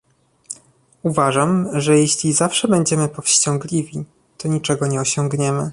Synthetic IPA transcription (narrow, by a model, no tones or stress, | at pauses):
uvaʐamʐɛjeɕlʲizafʂɛbɛɲd͡ʑɛmɘpɔfɕt͡ɕɔ̃ŋɡlʲivʲi | t̪ɔɲit͡ʂɛɡɔɲɛɔɕɔ̃ŋɡɲɛmɘ